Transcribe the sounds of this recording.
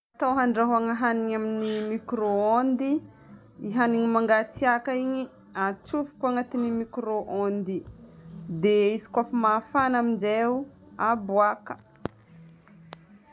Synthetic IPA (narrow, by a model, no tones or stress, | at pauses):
at̪awɦaɳɖ͡ʐaɦaŋəɦaniɲaminimikɾoond̪i | iɦaniɲimaŋɡat͡siakaiɲi | at͡sufu̥kaŋat̪inimikɾoʔond̪i | d̪eizi̥kʷafamafanamind͡ʒeu | abwakə̥